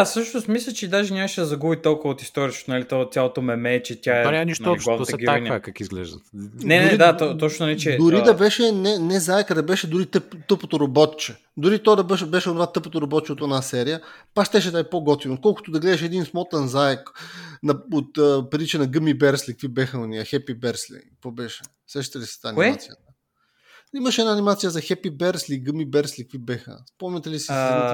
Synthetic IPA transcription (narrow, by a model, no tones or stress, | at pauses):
sɤʃnost̪mislʲɐt͡ʃɛd̪aʒɛnʲaməʃɛd̪ɐzɐɡubit̪ɔlˠkʊvəot̪i̥st̪ɔɾʲit͡ʃk̪onɐlit̪ɔt̪ʲjalˠot̪omɛmɛt͡ʃɛt̪ʲaɛanʲamniʃt̪ːiɡlavt̪əsɛɡinakakizɡlɛ̰ʒd̪ɐ̰nɛnɾɛd̪aɔt̪ɔt͡ʃnonnɛt͡ʃɛd̪ʊɾid̪ɐbɛʃɛnɛnɛzaɛkɐd̪ɐbɛʃɛd̪ʊɾit̪ɤpt̪ɤpot̪oɾobɔt̪t͡ʃɛ | d̪ʊɾit̪ɔad̪ɐbɛʃbɛʃɛonʊvat̪ɤpot̪oɾobɔt̪t͡ʃɛot̪ɛnasɛɾijəpakʃt̪ɛʃ̬ɛt̪aipoɡɔt̪viot̪̚kɔlˠkʊ̥t̪ʊd̪ɐɡlɛd̪ɛʃɛd̪insmɔt̪ɛnzaɛknɐot̪ːpɾit͡ʃɛnɐɡɤmibɛɾslʲik̚vibɛxəoniəxɛpibɛɾslḭkvɔbɛʃɛ̥ | sɛʃt̪it̪ɛlisɛ̥t̪aːnmat̪sijət̪ə | imɐʃɛnaːnʲimat̪sijəzɐxɛpibɛɾsliɡəmibɛɾslʲikvibɛxə̰spɔmnət̪ɛlisi